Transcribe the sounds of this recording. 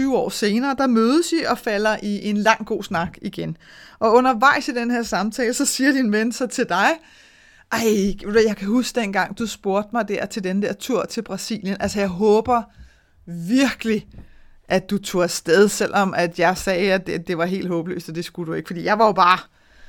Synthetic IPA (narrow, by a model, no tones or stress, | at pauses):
yːʊɒ̰ːse̝ːnɐːd̥ɑ̈møːð̞ˠəsiʔɒ̽fælɐʔiʔe̝nlɑ̈ŋ̰ɡ̥o̝̰ːsnɑ̈ɡ̥iɡ̥enʔɒ̽ɔ̽nɐʋɑ̈ɪ̰sid̥enheɐsɑ̈mt͡sʰɛːləsɒ̽siːɐd̥inʋensɒ̽t͡sʰe̝ld̥ɑ̈ɪ | ʔɑ̈ɪ̥ejɑ̈ɪkʰæhusɡ̥əd̥en̰ɡ̥ɑ̈ŋ̰d̥usb̥o̝ɐ̰d̥mɑ̈ɪd̥æɐ̰t͡sʰe̝ld̥enəd̥æɐt͡sʰuɐ̰t͡sʰe̝lb̥ʁɑ̈sḭːljənʔælsɐjɑ̈ɪɦɔ̽ːb̥ɐ | ʋiɐɡ̥əli | ʔæ̥d̥ut͡sʰo̝sd̥eð̞ˠsel̰ɒ̽mʔæd̥jɑ̈ɪsɛːæd̥d̥e̝ʋɑ̈ɦe̝̰ːld̥ɦɔːb̥əlø̰ːsd̥ɒd̥e̝sɡ̥ud̥ue̝ɡ̥fɒ̽dḭːjɑ̈ɪʋɑ̈jo̝b̥ɑ̈ː